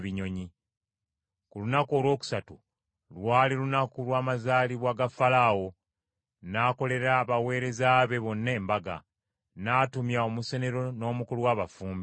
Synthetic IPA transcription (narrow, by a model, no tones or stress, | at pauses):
βiɲo̞ɲi | kulunako̞ːlwo̞ːku̥satu | lwaːlilunakulwaːmazaːliβwaɡafalawo̞ | naːko̞le̞ɾaβawe̞ːɾe̞zaβe̞βo̞nːe̞ːmbaɡa̰ | naːtumjao̞muse̞ne̞ɾo̞no̞ːmukuluwaːβafuːmbi